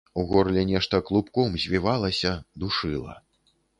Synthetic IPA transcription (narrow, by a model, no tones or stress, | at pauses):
uɣɔrlʲɛnʲɛʂt̪ɐklˠupkɔmzʲvʲivalˠɐsʲɐd̪uʂɨlˠɐ̰